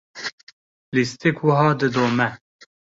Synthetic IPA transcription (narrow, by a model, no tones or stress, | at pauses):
list̪ikwəɦɑːd̪ɨd̪oːmɛ